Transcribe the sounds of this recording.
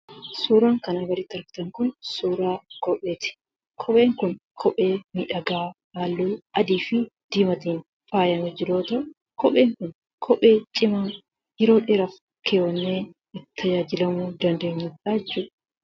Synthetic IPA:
suːɾaːŋkɐnaɡɐɾɪt̪ːɪɐɾɡɪ̥t̪ɐŋkʊnsuːɾaːkʼɔpʼːe̞ːt̪ɪ̥ | kʰɔpʼe̞ːŋkʊnkʰɔpʼe̞ːmiᶑɐɡaː | aːlːuːʔɐd̪iːfɪd̪̥iːmɐt̪iːn | fʼaːjɐmɛd͡ʒɪɾoːt̪ɐʔ | kɔpʼeːŋkʊn | kʰɔpʼe̞ːt͡ʃʼɪmaː | jɛɾo̞ːᶑeɾɐf | kʰeːwɔnːeː | ɪt̪ʰːɐd͡ʒaːd͡ʒɪlɐmuːd̪ɐnd̪e̞ːɲːʊᶑaːt͡ʃːuːᶑɐ̥

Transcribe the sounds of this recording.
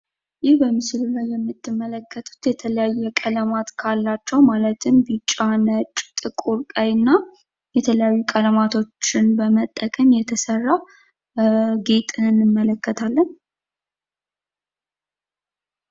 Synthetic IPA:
jɪhbəmɨslulajːɛmːɨt̪ʰːɨmːələkʰːət̪ʰu̥t̪jɛt̪ʰələjajːɛkʼələmat̪kʰalːat͡ʃːɛwmalət̪ʰɨmbɨt͡ʃʼːanət͡ʃʼt̪ʼɨkʼuɾkʼajɨnːa | jɛt̪ʰələjajːukʼələmat̪ʰo̞t͡ʃːɪnbəmət̪ʼːəkʼəmjɛt̪ʰəsərːa | ɡe̞t̪ʼɨɨnːɨmːələkʰːət̪ʰalːən

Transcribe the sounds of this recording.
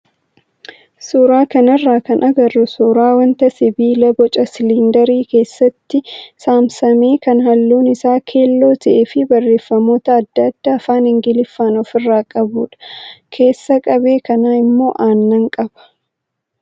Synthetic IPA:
suːɾaːkɐnɐrːaːkɐnʔɐɡɐrʊsuːɾaːwɐnt̪ɐsɪbiːlɐbɔt͡ʃʼɐsɪlind̪ɐɾiːke̞ːsːɐt̪ːɪsaːmsɐme̞ːkɐnhɐlːuːnɪsaːkʰe̞ːlːo̞ːt̪ɐʔeːfɪbɐrːe̞ːfːɐmo̞ːt̪ɐːd̪ːɐd̪̥ːaːfaːnhɪŋɡɪlɪfːaːnɔfɪrːaːkʼɐbuːᶑɐ̥kʰe̞ːsːɐkʼɐbe̞ːkɐnaːɪmːo̞ːʔaːnːɐŋkʼɐb̥ɐ̥

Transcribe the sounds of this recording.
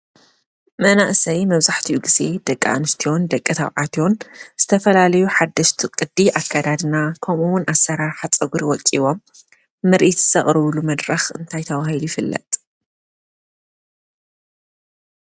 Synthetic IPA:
mɐnaʔsɐjmɐβzaħt̪ʰiʔuɡize̞d̪̥ɐkʼːa̰ʔnɨst̪ʰio̞nd̪ɐkʼːɨt̪ʰa̰βʕat̪ʰjo̞nz̥ɨt̪ʰɐfɐlalɐjuħad̪ːɐʃt̪ʰikʼɨd̪ːiʔakʰːad̪ad̪ɨnakʰɐmuwʊnasːɐɾaɾħat͡sʼɐɡuɾiwɔt͡sʼiβomː | ɨɾʔit̪zɨ̥sɐχʼɾɨβlumɐd̪ɾɐxɨnt̪ʰajt̪ʰɐwahilujfɨlːɐ̰t̪ʼ

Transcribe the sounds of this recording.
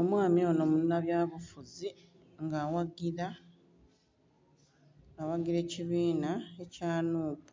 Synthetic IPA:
o̞mwaːmiono̞munːaβjaːβufuzi | ŋɡaːwaɡiɾa | awaɡiɾe̞ːciβiːnae̞caːnuːpu

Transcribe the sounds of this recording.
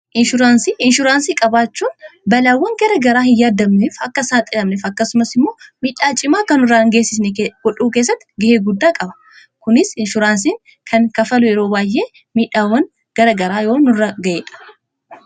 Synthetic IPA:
ʔɪnʃʊɾaːnsiːɪnʃʊɾaːnsiːkʼɐbaːt͡ʃːuːnbɐlaːwːɐŋɡɐɾɐɡɐɾaːhɪjaːd̪ɐmneːfɐkːɐsaːt̪ʼɪlɐmneːfɐkːɐsʊmɐsɪmːoːmiːᶑaːt͡ʃʼɪmaːkɐnʊraːŋɡeːsːɪsnɛɡɔᶑuːke̞ːs̬ːɐt̪ːɪ̥ɡɪheːɡʊd̪ːaːkʼɐbɐ̥ | kʊnɪsɪnʃʊɾaːns̬iːŋ | kʰɐŋkɐfɐlʊjɛɾo̞ːbaːjʔe̞ː | miːᶑaːwːɐŋ | ɡ̥ɐɾɐɡɐɾaːjo̞ːnʊrːɐɡɐʔeːᶑɐ̥

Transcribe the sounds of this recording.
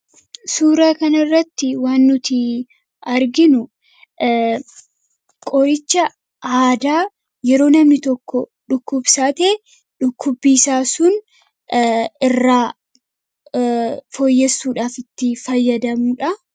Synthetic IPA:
suːɾaːkɐnɐɪrːɐt̪ːɪwaːnːʊt̪ɪ | ɐɾɡɪnʊ | kʼɔɾɪt͡ʃːɐ | aːd̪aː | jɛɾo̞ːnɐmnɪt̪ɔkːɔᶑʊkːʊbsaːt̪eː | ᶑʊkʰːʊbːiːsaːsʊn | ɪrːaː | fojːɛsːuːᶑaːfɪt̪ːɪfɐjːɐd̪ɐmuːᶑɐ

